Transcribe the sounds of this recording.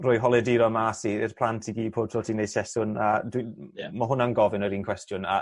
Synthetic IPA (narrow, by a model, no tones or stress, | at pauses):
rɔːjɦɔlˠɛdiɾɔmasiɛrpʰl̥ˠantʰiɡiːpʰoːd̚tʰroːtʰinejd̥sɛsʊnədwimaɦʊnanɡɔvɪnəɾiːnkʰwɛstjʊna